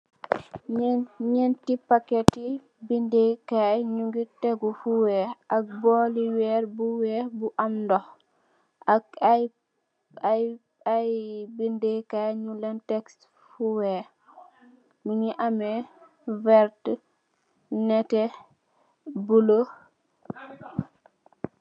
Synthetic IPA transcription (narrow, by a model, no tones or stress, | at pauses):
ɲɛntipakɛti | bindekajɲuŋɡitɛɡufuwɛʔak̚bɔliwɛɾbuwɛbuʔamdɔ | a | aj | ajbindekajɲulɛntɛkst | fuwɛ | miɲiʔamɛ | vɛɾt | nɛtɛ | bulo